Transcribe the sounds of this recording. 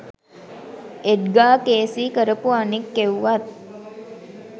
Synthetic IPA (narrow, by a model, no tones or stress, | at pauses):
eʈɡaːkeːsiːkəɾəpuanikːewːat̪̚